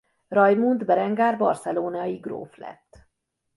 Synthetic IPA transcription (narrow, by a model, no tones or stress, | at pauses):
rɒjmund̪bɛɾɛŋɡaːrbɒrsɛloːnajiɡro̰ːflɛ̰t̪ː